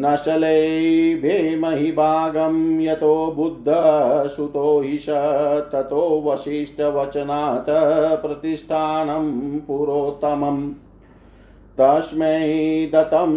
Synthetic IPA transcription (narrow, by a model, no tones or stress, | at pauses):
nɐʃɐlebʱeːmɐɦibʱaːɡɐmjɐt̪oːbud̪ʱːɐsut̪oːɦiʃɐt̪ɐt̪oːʋɐʃiːʂʈɐʋɐt͡ʃɐnaːt̪ɐpɾɐt̪iʂʈ̪ʰaːnɐmpuɾoːt̪ɐmɐm | t̪ɐʃmed̪ɐt̪ɐm